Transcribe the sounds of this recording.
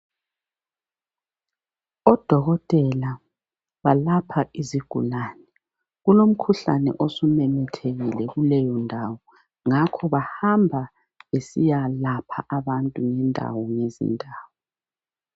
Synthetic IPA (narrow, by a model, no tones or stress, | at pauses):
ɔd̥ʱɔɣɔtʼɛla | βalapʰaʔiziɡ̥ʱṵlaːnɛ | ɣulom̩kʰuɬa̰nɛ̰ʔosumɛmɛtʰeɣilɛɣulɛjɔndʱawɔ | ŋakʰɔβahambʱa | βesijalapʰaʔaβantʼuŋɛndʱa̰wɔŋezḭndʱaːwɔ